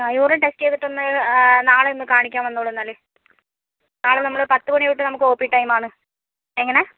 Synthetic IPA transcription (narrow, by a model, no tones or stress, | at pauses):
juːɾɐʈesʈeðiʈːonːɨnaːɭeonːɨkaːɳikʲːaːmʋɐnːuːɭɐenːaːle | naːɭenɐmːɐɭepɐt̪ːɨkoɳiʋiʈːɨnɐmukːɨoːpːiːʈːɐjmaːɳɨ | eŋːɐne